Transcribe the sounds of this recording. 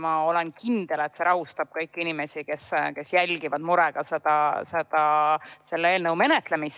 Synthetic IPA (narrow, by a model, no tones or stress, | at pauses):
mɑo̞lenkind̪̥e̞le̞t̪seɾʔɑɦust̪ɑb̥̚kɤjkːinime̞sike̞ske̞sjælʲɡ̥ivɑd̪̥muɾeɡ̥ɑsed̪̥ɑsed̪̥ɑse̞lːeeːlnɤwme̞net̪ˑlemis